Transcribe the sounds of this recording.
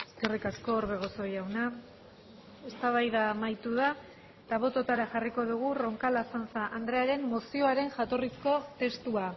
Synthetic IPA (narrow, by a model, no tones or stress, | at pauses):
eske̞rikasko̞ːɾβe̞ɣ̞o̞so̞jawna | e̞st̪aβ̞ajðamajt̪uða | t̪aβ̞o̞t̪o̞t̪aɾaxariko̞ðuɣ̞uro̞ŋkalasansaʔand̪ɾe̞aɾe̞mːosio̞aɾe̞ŋʝat̪o̞risko̞t̪e̞st̪ua